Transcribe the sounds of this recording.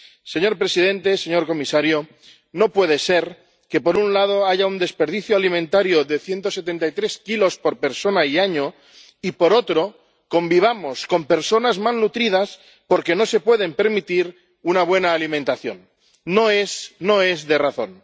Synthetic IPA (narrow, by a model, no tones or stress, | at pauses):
se̞ɲo̞ɾpɾe̞sið̞e̞nt̪e̞se̞ɲo̞ɾko̞misaɾjo | no̞pwe̞ð̞e̞se̞ɾ | ke̞po̞ɾunlað̞o̞aʝaund̪e̞speɾðiθjoalimẽnt̪aɾjoðe̞θje̞nt̪o̞se̞t̪e̞nt̪ajt̪ɾe̞skilo̞spo̞ɾpe̞ɾso̞naiaɲo̞ | ipo̞ɾo̞t̪ɾo̞ | ko̞mbiβ̞amo̞sko̞mpe̞ɾso̞nazmannut̪ɾið̞as | po̞ɾke̞no̞se̞pwe̞ð̞empe̞ɾmit̪iɾ | unaβ̞we̞naːlimẽnt̪aθjo̞̰nː | oesno̞e̞zðe̞raθo̞̰n